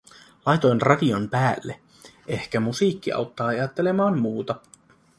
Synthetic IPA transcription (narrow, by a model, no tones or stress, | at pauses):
lɑjt̪o̞jnrɑdiompæːlːe | e̞hkæmusiːkːiɑ̰wt̪ːɑːɑjɑt̪ːe̞le̞mɑːmːuːt̪ɑ